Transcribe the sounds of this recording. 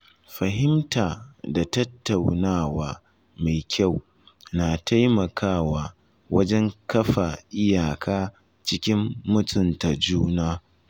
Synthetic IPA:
ɸɐ˨ɦɪ˦mtaː˨da˨tɐ˦tːa˨wnaː˦waː˦ | ma˨jkʲʰa˦˨w | na˨tʰa˦jmɐ˨kʰaː˦˨waː˨ | wɐ˦d͡ʒɛ˦ŋkɐ˦ɸa˨ʔɪ˦jaː˨kʰaː˦ | t͡ʃɪ˦kʲɪ˦mːʊ˦tʼʊ˦nta˨d͡ʒuː˦naː˦

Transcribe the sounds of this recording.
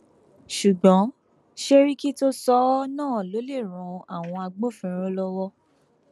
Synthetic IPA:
ʃu˨ɡ͡bɔ̃˨˦ | ʃe˦ɾi˦ki˦to˦sɔ˨˦nãː˦˨lo˨˦le˦˨ɾ̃ũ˨˧a˦˨w̃ɔ̃˧a˧ɡ͡bo˦fĩ˦˧˦ɾ̃õ˦lɔ˧wɔ˧

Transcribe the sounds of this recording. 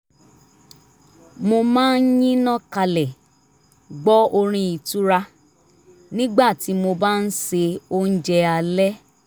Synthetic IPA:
mo˧mãː˦n̩˦jĩ˦nã˦ka˧lɛ˨ | ɡ͡bɔ˦o˧ɾ̃ĩ˧i˨tu˦ɾa˧ | nĩ˦ɡ͡ba˦˨ti˨˦mo˧ba˦n̩˦se˧o˧n̩˦d͡ʒɛ˧a˧lɛ˦

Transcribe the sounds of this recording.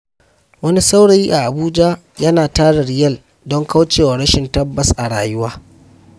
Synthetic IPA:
wɐ˦ni˦sa˦wɽa˨ji˦ʔa˨ʔa˨buː˦d͡ʒa˦ | jɐ˦naː˨taː˦ɽa˨ɽɪ˨jɐ˦˨l | dɔ˦ŋka˦wt͡ʃeː˨wa˨ɽɐ˦ʃɪ˨ntɐ˦bːɐ˨sʔa˨ɽa̰ː˨jʊ˦waː˦

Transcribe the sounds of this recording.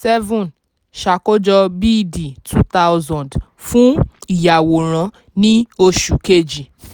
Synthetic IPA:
sɛ˦vɔ̃˨n | ʃa˨ko˦d͡ʒɔ˧bi˦˨di˨tʰu˦t̪a˦wzɔ̃˨nd | fũ˦i˨ja˨wo˨ɾ̃ã˨˦ | nĩ˦o˧ʃu˨ke˦˨d͡ʒi˨

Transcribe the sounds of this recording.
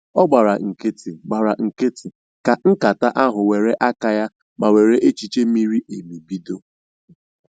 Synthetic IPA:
ɔ˦ɡ͡ba˨ɾa˨ŋ̩˨ke˦tɪ˨ɡ͡ba˨ɾa˨ŋ̩˨ke˦tɪ˨ | ka˨ŋ̩˦ka˨ta˦ʔa˦ɦʊ˨we˨ɾe˦ʔa˦ka˦ja˦ | ma˨we˨ɾe˦ʔe˦t͡ʃi˨t͡ʃe˦mi˦ɾi˦ʔe˨mi˨bi˦do˦

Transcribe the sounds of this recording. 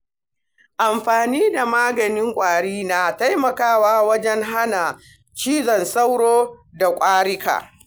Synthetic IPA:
ʔa˨mɸaː˨niː˦da˨maː˦ɡɐ˨nɪ˦ŋkʷʼaː˨ɽiː˦na˨ta˦jmɐ˨kaː˦˨waː˦wɐ˦d͡ʒɛ˦ŋɦa˦na˨ | t͡ʃiː˦zɔ˨nsa˦wɽoː˦da˨kʷʼaː˦ɽɪ˦ka̰ː˨

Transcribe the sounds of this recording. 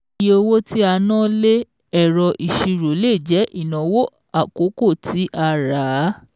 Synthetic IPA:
je˧o˧wo˦ti˦a˧nãː˦le˦ | ɛ˦˨ɾɔ˧ʔi˨ʃi˧ɾo˨˦le˦˨d͡ʒɛ˨˦ʔi˦˨nã˨wo˦ | a˦˨ko˨˦ko˦˨tʰi˨˦ʔa˧ɾaː˨˦

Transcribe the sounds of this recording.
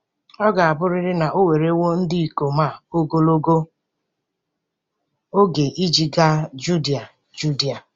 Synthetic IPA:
ɔ˦ɡa˨a˨bʊ˦ɾɪ˦ɾɪ˦na˨ʔo˦we˨ɾe˦wo˦n̩˦dɪ˦i˨ko˨ma˦˨o˦ɡo˦lo˦ɡo˦ | o˦ɡe˨ʔi˦d͡ʒi˦ɡa˦d͡ʒu˦di˦˨a˨ | d͡ʒu˦di˦a˨

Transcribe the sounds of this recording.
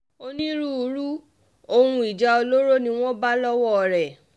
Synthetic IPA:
o˧nĩ˦ɾũ˦u˧ɾu˦ | o˧hũ˧i˨d͡ʒa˧o˧lo˦ɾo˦nĩ˧˦w̃ɔ̃˦ba˦lɔ˦wɔ˦˨ɾɛ˨

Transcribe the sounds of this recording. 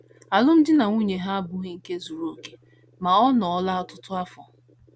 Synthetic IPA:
a˨lʊ˦m̩˦dɪ˦na˨ŋʷu˦ɲe˨ɦa˦a˦bʊ˦ɣe˦ŋ̩˦ke˦zu˨ɾo˨ke̥˦ | ma˨ɔ˦nɔ˨ɔ˦la˦ɔ˦tʊ˦tʊ˦a˦fɔ̰˨

